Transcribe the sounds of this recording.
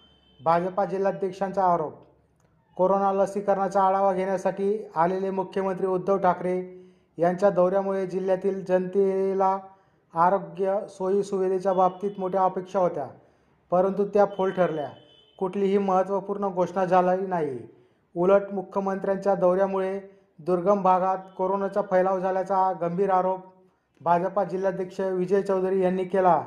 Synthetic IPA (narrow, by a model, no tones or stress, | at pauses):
bʱad͡zpad͡ʑilːad̪jekʂãnt͡saːɾop̚ | koɾonaləsikəɾɳat͡ɕaːɭaʋaɡʱeɽjasaʈiːalelemukʰjəmənt̪ɾiːud̪ːəʋʈʰakɾe | jaɲt͡ɕjad̪əwɾjamuɭed͡ʑil̤jat̪iːld͡ʑənt̪ilaː | ɾoɡjəsojisuʋid̪ʱet͡ɕjabʱab̚t̪iːt̪moʈʰjaəpekʂaɦot̪ja̰ | pəɾənt̪̬ut̪japʰolʈʰəɾlja | kuʈʰliːɦiːməɦət̪ʋəpuːɾɳəɡʱoʂɳad͡zʱalainaɦi | uləʈmukʰjəmənt̪ɾjãɲt͡ɕjad̪əwɾjamuɭe | d̪uɾɡəmbʱaɡat̪koɾonat͡ɕapʰəjlaʋd͡zʱaljat͡saɡəmbʱiːɾaɾop̚ | bʱad͡zəpad͡ʑiljad̪jəkʂəʋid͡ʑəjt͡səwd̪ɾiːjanːiːkela